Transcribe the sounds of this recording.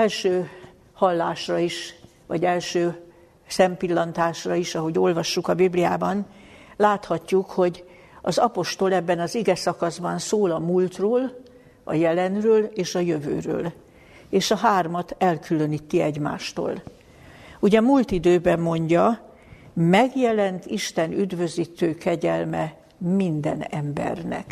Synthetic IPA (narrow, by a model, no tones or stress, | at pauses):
ɛlʃøː | hɒlːaːʃrɒiʃ | vɒ̰ɟɛlʃøː | sɛmpilːɒnt̪aːʃrɒiʃɒɦo̞ɟo̞lvɒʃːukɒbiblija̰ːbɒnlaːt̪hɒcːukho̞ɟ | ɒzɒpo̞ʃt̪o̞lɛbːɛnɒziɡɛsɒkɒzbɒnsoːlɒmult̪roːl | ɒ̰jɛlɛnrøːleːʃɒjøvø̰ːrø̰ːl | eːʃɒɦaːrmɒt̪ɛlkylø̞niːt̪ːiɛɟma̰ːʃt̪o̰ːl | uɟɛmult̪id̪øːbɛmːo̞ɲɟɒ | mɛɡjɛlɛnt̪iʃt̪ɛnyd̪vø̞ziːt̪øːkɛɟɛlmɛ | mind̪ɛ̰nɛmbɛ̰rnɛ̰k